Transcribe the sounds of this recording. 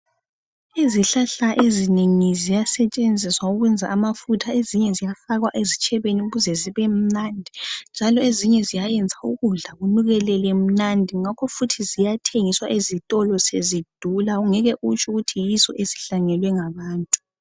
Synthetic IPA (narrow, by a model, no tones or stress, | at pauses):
iziɬaɬaʔezineŋizijasɛt͡ʃʼend͡zʱiswauɣwɛnd͡zʱa̰ʔːmafutʰaeziɲɛzijafaɣwaʔezit͡ʃʼɛβeniɣuzɛziβɛm̩nandʱind͡ʒʱalɔeziɲɛzijajɛnd͡zʱauɣuɮaɣunuɣɛlɛlɛm̩nandʱiŋakʰɔfutʰizijatʰeŋiswaʔezitʼɔlɔsezid̥ʱulauŋɛɣɛʔut͡ʃʼuɣutʰijizɔʔesi̥ɬaŋɛlwɛŋaβaːntʼu̥